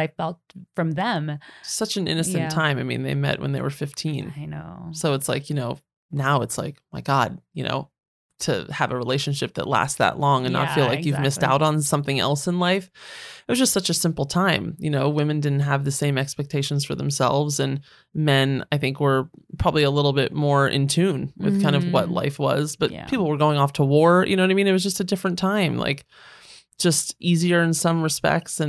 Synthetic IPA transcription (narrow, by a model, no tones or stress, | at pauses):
ɪ̥alt̚fɹʌ̃mðɨ̃msʌt͡ʃɨ̃nɪ̰̃nɨsɨ̃ntʰãɪ̃maɪmḭ̃nðeɪmɛ̰ʔ̚wə̰̃nðeɪwə̰˞fɪftʰĩnsoʊətslaɪkjɨnoʊ | naʊɨtsla̰ɪkmaɪɡɑd̥̚jɨno̰ʊ | tʰɨ̰əvɨɹileɪʃɨ̃n̩ʃɪp̚ðɨ̰ʔˡlæ̰st̚ðə̰ʔlɔ̃ŋɨ̃na̰ɪfilaɪkjʉvmɪsta̰ʊɾn̩sʌ̃mθɪ̃ŋɛ̰lˠsə̃nlaɪfɪʔwʌz̥d͡ʒʌstsʌt͡ʃɨsɪ̃mpl̩ˠtʰãɪ̃mjɨnoʊwɪ̃mɨ̃ndɪdⁿn̩t̚ɦəvðɨsẽɪ̃mɛkspɛk̚tʰeɪʃnz̥fə˞ðə̃msɛ̰lˠvzɨ̃n | mɛ̃na̰ɪθɪ̃ŋkwə˞pʰɹ̥ɑbəbliəlɪɾl̩ˠbɪt̚mɔɹɪ̰̃ntʰʉ̃nwɨ̰ð̥kʰãɪ̃ndʌvwʌ̰tˡla̰ɪfwʌ̰zb̥ʌtpʰipl̩ˠwə˞ɡoʊɪ̃ŋɔftʰəwɔɹjʔɨ̰noʊ̃naɪmĩnɨt̚wʌzd͡ʒʌstɨdɪfɹɨ̃ntʰãɪ̃mla̰ɪk | d̥ʒ̥ʌstʔiziə˞ɨ̃nsʌ̃mɹɨspɛ̰k̚tsɨ̃